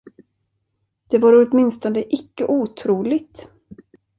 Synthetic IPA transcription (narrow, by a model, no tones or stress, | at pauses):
d̪̥ɛvaɾɔt̪mɪnst̪ɔnd̪əʔɪkːəʔuːt̪ʰɾuːlɪɡt̪